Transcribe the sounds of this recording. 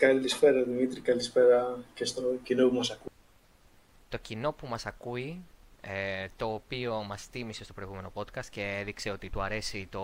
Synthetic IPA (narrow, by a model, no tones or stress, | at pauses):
kɐlisfeɾɐðimit̪ɾikɐlisfeɾɐcest̪ocinopumɐsɐku | t̪o̞cino̞pumɐsɐkuiet̪o̞ːpio̞mɐst̪imisest̪opɾo̞ijɣume̞no̞po̞t̪kɐst̪ce̞eðikse̞o̞t̪it̪uɐɾe̞sit̪o̞